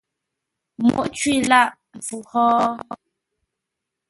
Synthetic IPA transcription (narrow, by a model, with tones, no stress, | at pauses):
mṵ˦˨ʔt͡ʃwi˦˨la˦˨ʔ | fu˨hɔː˦